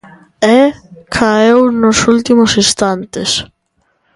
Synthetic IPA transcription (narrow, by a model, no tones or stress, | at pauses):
ɛkʰaewnʊsult̪imʊsist̪ant̪ɪs